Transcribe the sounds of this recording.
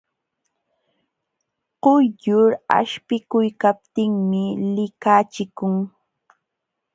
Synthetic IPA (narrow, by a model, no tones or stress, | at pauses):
qʊjjʊɾa̰ʃpɪkʊjkap̚t̪ɪŋmɪlɪkaːt͡ʃɪkʊŋ